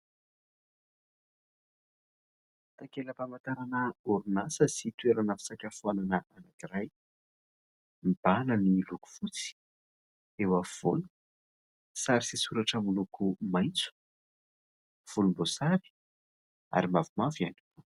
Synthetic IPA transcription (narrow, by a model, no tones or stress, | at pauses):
t̪akeləpamant̪aɾanəuɾunasəsit̪ueɾanəfi̥sakʲafuananəʔanakiraj | mib̥anəniluku̥v̥ut͡si̥ | ewav̥o̰lu | saɾisisuɾaʈ͡ʂəmulukʰumajnt͡su̥ | v̥ulumbosaɾi̥ | a̰ɾimavumavjani̥k